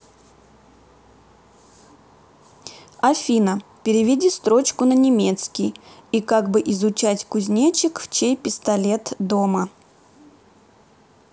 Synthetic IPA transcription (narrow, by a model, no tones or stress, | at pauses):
ɐfʲinəpʲɪɾʲɪvʲɪdʲist̪ɾo̞t͡ɕkʊnənʲɪmʲe̞t̪skʲɪjikaɡbɨʔɪzʊt͡ɕætʲkʊzʲnʲat͡ɕɪkft͡ɕejpʲɪst̪ɐlʲe̞t̪d̪o̞mə